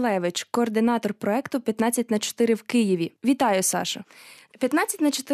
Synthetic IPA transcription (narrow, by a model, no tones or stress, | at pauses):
lˠɛʋɪt͡ʃkɔːrd̪ɪnɑt̪ɔrpɾɔɛkt̪ʊpʲjɐt̪nɑt͡sʲːɐtʲnɐt͡ʃɔ̥t̪ɪɾɪwkɪjiʋʲiʋʲit̪ɑjʊsɑ̰ʃɐ | pʲjɐt̪nɑt͡sʲːɐtʲnɐt͡ʃɔt̪ɪ